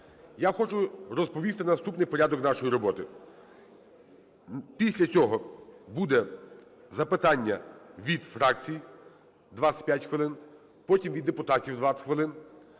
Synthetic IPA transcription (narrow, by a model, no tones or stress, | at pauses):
jaxɔt͡ʃʊɾɔspɔʋʲist̪ɪnɐst̪upnɪjpɔɾʲad̪ɔknɑʃɔjiɾɔbɔt̪ɪ | pʲisʲlʲɐt͡sʲɔɦɔbud̪ɛ | zɐpɪt̪ɑnʲːɐʋʲid̪fɾɑk̚t͡sʲiji | d̪ʋaɑsʲɐ̥pʲjatʲxʋɪlˠɪn | pɔtʲimʋʲid̪ːepʊt̪ɑtʲiwd̪ʋɑt͡s̪ʲxʋɪlˠɪn